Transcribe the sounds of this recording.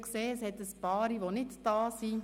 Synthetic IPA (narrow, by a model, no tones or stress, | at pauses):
kseːəshɛt̪əspɑːɾiʋonɪtd̥ɑːsi